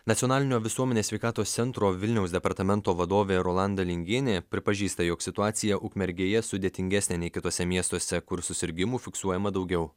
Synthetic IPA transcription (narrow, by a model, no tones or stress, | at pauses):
nɐt̪ʲjonɑːlʲɪnʲoːʋʲɪsuɔmʲɛnʲeːsʲʋʲɛɪkɑːt̪oːst̪sʲɛnt̪ɾoːʋʲɪlʲnʲɛʊsd̪ʲɛpɐɾt̪ɐmʲɛnt̪oːʋɐd̪oːʋʲeːɾoːlˠɑnd̪ɐlʲɪŋʲɡʲeːnʲeːpʲɾʲɪpɐʒʲiːst̪ɐjoːksʲɪt̪ʊɑːt̪ʲɪjɛʔʊkmʲɛɾʲɡʲeːjɛsʊd̪ʲeːt̪ʲɪŋʲɡʲæsʲnʲeːnʲɛɪkʲɪt̪oːsʲɛmʲiɛst̪oɔsʲɛkʊɾsʊsʲɪɾʲɡʲɪmuːfʲɪksuɔjɛmɐd̪ɒʊɡʲɛʊ